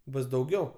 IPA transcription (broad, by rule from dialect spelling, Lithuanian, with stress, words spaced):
ˈbʊs dɐʊˈɡʲɛʊ